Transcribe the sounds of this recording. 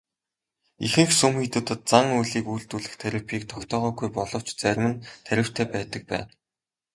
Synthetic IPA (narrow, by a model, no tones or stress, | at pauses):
ixɘ̆ŋxsɵmxit̪ɘ̆t̪ɘ̆t̪̚t͡saŋujɮiːkujɬt̪uːɮɘ̆xt̪ʰæɾʲɪ̆pʰiːk̚t̪ʰɔkt̪ʰɔːʁœːɡujpɔɮɞ̆w̥t͡ɕt͡sæɾ̆ʲmɘ̆nt̪ʰːæɾʲɪ̆w̥t̪ʰæːpæːt̪ə̆k̚pæ̰ːn